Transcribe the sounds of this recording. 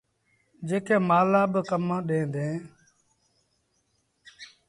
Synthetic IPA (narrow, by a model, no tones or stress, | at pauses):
d͡ʒeːkʰeːmaːlaːɓəkəmãːɗẽːd̪ẽː